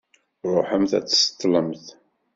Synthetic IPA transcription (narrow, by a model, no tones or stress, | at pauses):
ɾˤoħəmθæ̰t͡sːsə̥t̪ˤːləmθ